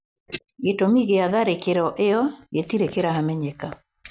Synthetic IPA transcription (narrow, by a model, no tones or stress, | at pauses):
ɡetomiɣeaðaɾekeɾɔʔeɔɡetiɾekeɾahamɛɲɛka